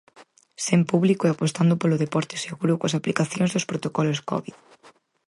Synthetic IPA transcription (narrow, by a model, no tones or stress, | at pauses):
sempuβlikoeapost̪and̪ʊpoloðepɔɾt̪e̥seɣuɾokwɐsaplikaθjõnzðospɾot̪okɔloskɔ̰βið